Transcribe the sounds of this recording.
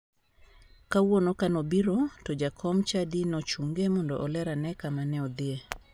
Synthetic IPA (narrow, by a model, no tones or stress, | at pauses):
kawonokanɔbiɾɔtɔd͡ʒakʰɔmt͡ʃadinɔt͡ʃuŋɡemɔndɔ̰ʔɔlɛɾanɛkamanɛɔd̪ɪe